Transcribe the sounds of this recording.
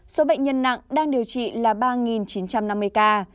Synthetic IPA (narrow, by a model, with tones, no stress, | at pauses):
so˨˦ɓə̰˧˨jŋ̟ɲə˧nːa̰˧˨ŋɗaː˧ŋɗi˨˩əwt͡ɕḭ˧˨laː˨˩ɓaː˧ŋi˨˩nt͡ɕi˨˦nt͡ɕa˧mna˧mːɨ˧əjkaː˧